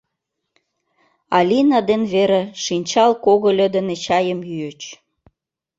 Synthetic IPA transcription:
ɑlʲinɑd̪enβeɾeʃinʲt͡ɕɑlkoɣolʲə̆d̪ə̆net͡ɕɑjəmjyət͡ɕ

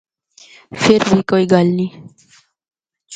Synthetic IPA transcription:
feɾwikoiɡalni

